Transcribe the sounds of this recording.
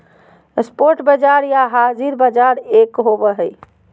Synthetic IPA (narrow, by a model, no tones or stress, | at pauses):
spoɾʈbəd͡ʒaɾjaɦad͡ʒiɾbəd͡ʒaɾekɦobəɦəj